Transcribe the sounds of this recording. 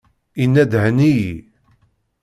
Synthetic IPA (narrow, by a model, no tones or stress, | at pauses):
inːæd̪ʕəniji